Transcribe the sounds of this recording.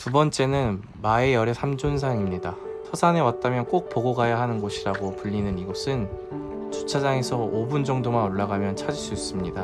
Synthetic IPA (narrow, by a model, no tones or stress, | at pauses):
tubʌnt͡ɕ͈e̞nɯn | mae̞jʌɾesʰamd͡ʑons̬ʰaŋimɲida | tʰʌsʰane̞wat̚t͈amjʌnk͈ok̚poɡoɡajaɦanɯnɡoɕʰiɾaɡopuʎːinɯniɡʌsʰɯn | t͡ɕut͡ɕʰad͡ʑaŋe̞sʰʌobund͡ʑʌŋdomanoɭːaɡamjʌnt͡ɕʰad͡ʑiɭs͈uis͈ɯmɲida